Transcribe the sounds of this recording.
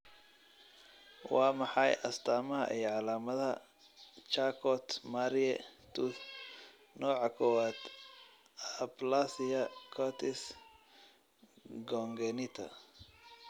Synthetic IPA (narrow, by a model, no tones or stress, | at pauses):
wɑːmɑħɑjʔɐst̪ʰaːmɐɦɐ̰ʔɛjʕɑlaːmɐðɐ | t͡ʃakʰɔt̪maɾiɛt̪ʰu | nɔːʕɑkʰɔwaːt̪ | ɐplasɪjɐkʰɔt̪ʰɪs | ɡɔŋɡɛnit̪ʰɐ̰